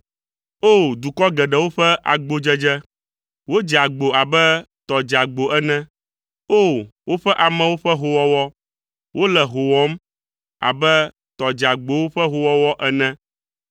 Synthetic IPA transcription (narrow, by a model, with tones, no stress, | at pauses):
o˦˨d̪u˨kɔ˦ɡɛ˨ɖɛ˨wo˦ɸɛ˦ʔa̰˨ɡ͡bo˦d͡ʒɛ˦d͡ʒɛ˦ | wo˦d͡ʒa˨ɡ͡bo˨a˨bɛ˦ | t̪ɔ˨d͡ʒa˨ɡ͡bo˨ʔɛ˦nɛ̃˦ | o˦˨wo˦ɸɛ˦ʔa˨mɛ̃˨wo˦ɸɛ˦ɦo˦wɔ˦wɔ˦ | wo˦lɛ˨ɦo˨wɔ˦m | a̰˨bɛ˦ | t̪ɔ˨d͡ʒa˨ɡ͡bo˨wo˦ɸɛ˦ɦo˦wɔ˦wɔ˦ʔɛ˦nɛ̃˦